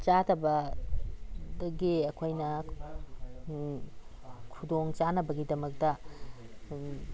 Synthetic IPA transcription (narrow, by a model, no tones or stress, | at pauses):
t͡ʃatʰɐbɐ | dɐɡiɐkʰojnɐ | kʰudoŋt͡ʃanɐbɐɡidɐmɐk̚tɐ